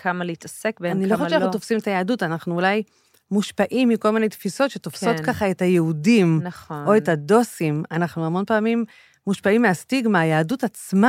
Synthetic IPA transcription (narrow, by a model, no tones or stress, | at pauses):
kʰamaleitasekbeaniloxoeʃanaχutofsimetajaːdutanaχnuːlaj | muʃpaʔimːikolmine̞jt̪fiso̞tʃe̞to̞fso̞t̚kaχae̞tajeudimnɐχoo̞e̞tado̞simanaχnuamo̞npaːmimː | uʃpaimːeastiɡmaːjaːdutat͡sma